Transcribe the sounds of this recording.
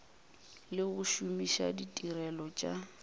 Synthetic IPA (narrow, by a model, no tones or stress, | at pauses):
lɪɣʊʃumiʃa̰ditʼirɛlɔt͡ʃʼa